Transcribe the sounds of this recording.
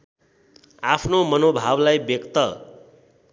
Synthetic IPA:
apʰnomʌnobʱablajbjʌkt̪ʌ

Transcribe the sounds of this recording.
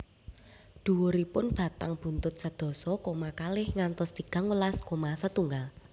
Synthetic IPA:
d̪̥ṳwoɾipʊnb̥ä̤t̪a̰ŋb̥ṳnt̪ʊt̪̚sad̪̥ɔ̤sɔkomakalɪhŋant̪ɔst̪iɡ̥a̤ŋwəlaskomasət̪uŋɡal

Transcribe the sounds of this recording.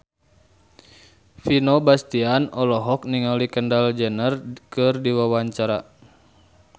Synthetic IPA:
finobast̪ianɔlɔɦɔk̚niŋalikəndald͡ʒənərkɨrdiwawaɲt͡ʃaɾa̰

